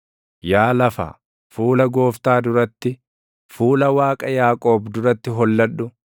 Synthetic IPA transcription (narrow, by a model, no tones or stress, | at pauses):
jaːlɐfa̰ː | fuːlɐɡo̞ːft̪aːd̪ʊɾɐt̪ːɪ | fuːlɐwaːkʼɐjaːkʼo̞ːbd̪ʊɾɐt̪ːɪɦɔlːɐᶑʊ